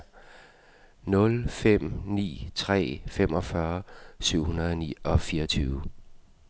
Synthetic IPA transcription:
nɔ̽lfem̰nḭːt͡sʰʁɛ̰ːfem̰ɒ̽fɶɐsyʊ̰hunɐð̩ˠɒnḭːɒ̽fiːɐʌt͡sʰyːʊə

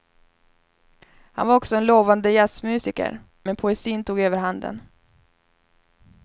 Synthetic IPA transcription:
ha̰nvaɾɔksɔɛnloːvand̪əjasmʉ̟ːsɪkə̰ɾ | mɛnpʰʊɛsiːnt̪ʰuːɡøːvəɾɦand̪ə̰n

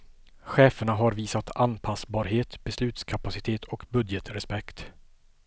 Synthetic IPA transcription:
ɧɛːfəɳaɦaɾviːsat̪ʰanpʰasbɑːɾɦeːt̪bɛslʉ̟ːt̪skʰapasɪt̪ʰeːt̪ʰɔkbɵd̪jɛt̪ɾɛspɛkt̪

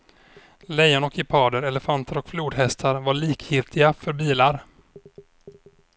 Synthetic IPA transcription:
lɛjanɔkʰːɪpʰɑːd̪əɾɛlɛfant̪ʰəɾɔkfluːd̪ɦɛst̪ʰaɾvaɭiːkʰjɪlt̪ʰɪɡafœɾbiːlaɾ

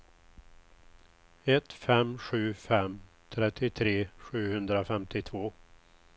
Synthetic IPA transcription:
ɛt̪fɛmɧʉ̟ːfɛm | t̪ʰɾɛt̪ʰːɪt̪ʰɾeːɧʉ̟ːhɵnd̪ɾafɛmt̪ʰɪt̪ʰvoː

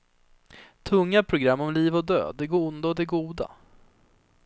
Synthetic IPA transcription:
t̪ʰɵŋːapʰɾʊɡɾamːɔmliːvɔd̪ø̰ːd̪ːɛɡuːnd̪aɔd̪ɛɡuːd̪a̰

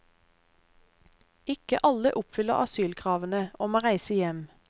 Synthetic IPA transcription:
ɪkə̰ʔɑləʔʊpfʏləʁɑ̰syːlkʰʁɑːʋənəʔoːmoːʁæɪsəjɛm

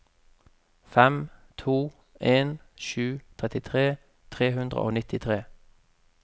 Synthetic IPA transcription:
fɛmt̪ʰuː | ʔeːnʃʉːt̪ʰʁɛt̪ɪt̪ʰʁeː | t̪ʰʁeːhʉnd̪ʁə̰ʔo̰ːnɪt̪ɪt̪ʰʁeː

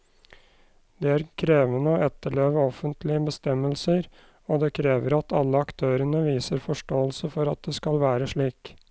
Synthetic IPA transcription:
d̪eːæːɾkʰɾeːʋənəoːɛt̪ːəɭeːʋəɔfənt̪ʰlɪəbəst̪ɛməlsəɾ | oːd̪eːkʰɾeːʋəɾɑt̪ʰɑ̰lːəɑkt̪ʰøːɾənəʋiːsəɾfɔʂʈoːəlsəfɔɾɑ̰t̪̚d̪eːskɑlʋæːɾəʂɭiːk

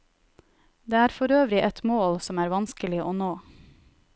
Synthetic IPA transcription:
d̪eːæːɾfɔɾøːʋɾɪʔɛt̪moːlsɔmæːɾʋɑnskəlɪʔoːnoː

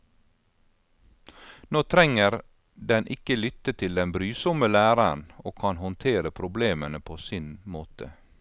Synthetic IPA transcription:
noːt̪ʰɾɛŋəɾ | d̪ɛnʔɪkəlʏt̪ət̪ʰɪld̪ɛnbɾyːsɔməlæːɾənoːkʰɑnhɔnt̪ʰeːɾəpʰɾʊbleːmənəpʰoːsɪnmoːt̪ʰə̰

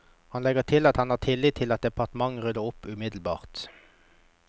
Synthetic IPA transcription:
hɑnlɛɡət̪ʰɪlɑt̪hɑnɑːt̪ʰɪlːiːt̪ʰːɪlɑt̪̚d̪ɛpɑʁt̪əmɑŋʁʉd̪əʊpʉmɪd̪l̩bɑ̰ːʁt̪

